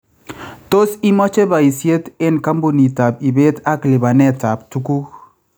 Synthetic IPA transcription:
to˦si˦mɔ˦t͡ʃe˦ba˨i˨sje˦tɪ˦˨nka˦mbo˨ni˨ta˨p̚i˨be˦ta˦klɪ˨ba˨nɛ˦˨ta˨p̚tu˦ku˦

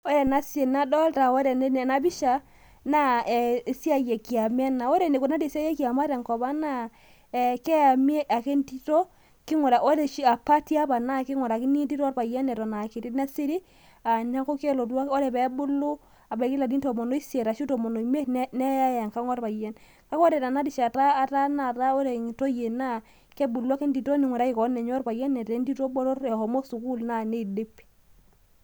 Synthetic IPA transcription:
o˦ɾe˨na˦si˦e˨na˨˦dɔ˦lta˨o˦ɾe˨e˦ne˨na˦bi˦ʃa˨ | na˦ɛ˨si˦a˦je˨ki˨a˨mɛ˦na˨o˦ɾe˨ne˨ko˨na˦de˨si˦a˦je˦ki˨a˨ma˦ɾe˨ŋkɔ˨ba˦na˦˨ | ɛ˨ke˦ja˨m˦e˦ʔa˨ke˦nti˦to˦ | ki˦ŋɔ˨ɾa˨ʔo˦ɾe˨ʃi˦a˨pa˦ti˦a˦ba˨na˦˨ki˦ŋɔ˨ɾa˨ki˦ni˦di˦ɾɔ˦ɾba˨jɛ˦nɛ˨ɾɔ˨na˨ki˨ɾi˦na˦si˦ɾi˦ | a˨ɲa˦ko˦ke˦lo˨twa˦o˦ɾɛ˨pɛ˨˦bu˦lːu˦ | a˨bɛ˨ki˦la˨di˦nto˨mo˨no˦i˦sje˨ɾa˨ʃi˦to˨mo˨no˨i˨me˦nnɛ˦ja˦ja˨ŋka˦ŋwɔ˦ɾpa˨jɛ˦n | ka˦kɔ˦ɾɛ˨ta˨na˦di˨ʃa˨taː˦˨ta˦na˦˨ta˦o˦ɾe˨ŋ˨to˦je˨na˦˨ | kɛ˦bu˨lu˦a˦kɛ˦ndi˨to˦ni˨ŋʷɔ˨ɾa˦i˨kɔ˨˦nɛ˨ɲɔ˦ɾpa˨jɛ˦nɛ˨te˨˦ndi˦to˦bɔ˦ɾo˦ɾɛ˨hɔ˨mo˦su˨ku˦lna˦˨ne˦˨de˦p

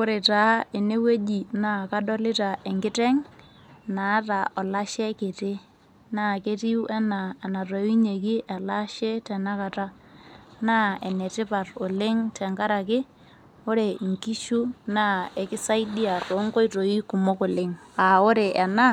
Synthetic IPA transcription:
ʊ˦ɾe˨ta˨˦e˨ne˦we˦d͡ʒi˨na˦˨ka˦dɔ˦lɪ˦ta˨ʔɛ˨ŋɡɪ˦tɛ˦ŋ | na˨˦ta˨ɔ˨la˦ʃɛ˦ke˨te˦ | na˦˨ke˦ti˦u˦ʔɛ˦naː˨na˨tɔ˨i˦ɲe˨kɪ˦ʔɛ˨la˦ʃɛ˦tɛ˨na˦ka˨ta˦ | na˦e˨ne˨tɪ˦pa˨rʊ˨lɪ˦ŋtɛ˨ŋka˦ɾa˨kɪ˦ | ʊ˦ɾe˨ŋki˦ʃu˦na˦e˨kɪ˦sa˦idi˦a˨to˨˦ŋɡo˦jto˨i˦kʊ˨mo˦kʊ˨lɪ˦ŋa˨ʊ˦ɾe˨ʔɛ˨na˦

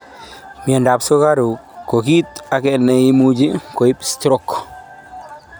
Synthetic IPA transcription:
mi˨ɛ˨nda˨pso˦ka˦ɾu˨kːo˨ki˦t̪a˨kɛ˨nɛ˨i˦mu˦d͡ʒi˦ko˨i˦pstɾɔ˦˨k

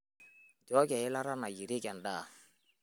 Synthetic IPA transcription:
d͡ʒɔ˨˦kɛ˨ɪ˦la˦ɾa˦na˨ji˨ɾɪ˦kɛ˨ndaː˦˨

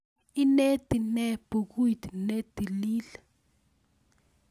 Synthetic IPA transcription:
i˦ne˦d̥i˨nɛ˦b̥u˨k̬u˦i˨d̪i˨ne˦d̥i˨liː˦lɛ˨

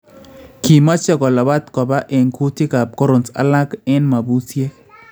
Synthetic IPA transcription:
ki˨ma˦t͡ʃɔ˦ɡɔ˨lɔ˨ba˦t̪kɔ˨ba˦ʔɛ˨ŋku˦tɪ˦ka˨ko˦ɾo˨nsa̰˨˦la˦kɛ˦nma˨bu˦sje˦

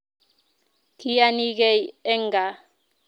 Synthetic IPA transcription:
ki˦a˦ni˦ɣe˦˨je˦ŋɡa˨

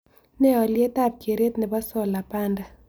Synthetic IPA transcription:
nɛ˦ɔ˨lje˦ta˦˨p̚kje˨ɾe˦t̪nɛ˨ba˦sɔ˦la˨pa˦nda˨

